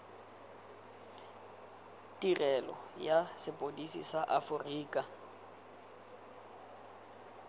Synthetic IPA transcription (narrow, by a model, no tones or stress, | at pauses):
tʼirɛlɔ̰jasɪpʼodisḭsaʔafʊriːkʼa